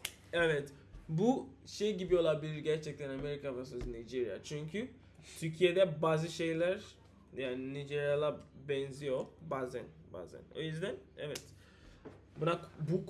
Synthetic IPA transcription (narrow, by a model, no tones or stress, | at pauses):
ɛvɛt̪ | buʃejɟibijo̞lˠaɾbiɾɟæɾt͡ʃʰɛc̚t̪ʰɛnameɾikʰavasɯznijd͡ʒiɾija̰t͡ʃʰyɲcʰy | sʰyɾcʰije̞d̪ɛbaːzɯʃe̞jlʲæɾ | jaːnnid͡ʒiɾijalˠabɛnzijo̞bazænba̰ːzæ̰no̞̰jyzd̪ænɛ̰vɛt̪ | bunakbuk